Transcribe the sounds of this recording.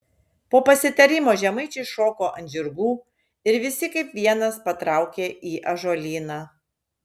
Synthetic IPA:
poːpɐsʲɪt̪ɐɾʲɪmoːʒʲɛmɐɪt͡ʃʲɛɪʃoːkoːʔɐnʲd͡ʒʲɪɾɡuː | ɪɾʋʲɪsʲɪkɐɪpʋʲiɛnɐspɐt̪ɾɑˑʊkʲeːʔiːʔɐʒoːlʲiːnɑː

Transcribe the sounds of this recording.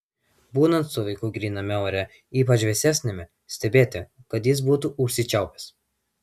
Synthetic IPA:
buːnɐnt̪sʊʋɐɪkuːɡɾʲiːnɐmʲɛoːɾʲɛ | iːpɐt͡ʃʋʲɛsʲæːsʲnʲɪmʲɛ | sʲt̪ʲɛbʲeːt̪ʲɪkɐt̪jɪs̬buːt̪uʊʃʲsʲɪt͡ʃʲɛʊpʲɛ̥s

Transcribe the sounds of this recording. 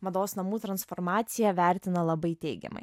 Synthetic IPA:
mɐd̪oːsnɐmuːt̪ɾɐnsfɔɾmɑːt̪sʲɪjɛʋʲæˑɾʲt̪ʲɪnɐlˠɐbɐɪt̪ʲɛɪɡʲɛ̰mɐ̰ɪ

